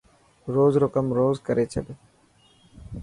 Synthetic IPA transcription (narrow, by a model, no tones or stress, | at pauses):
ɾoːzɾʊkəmɾoːzkəɾeːt͡ʃʰəbe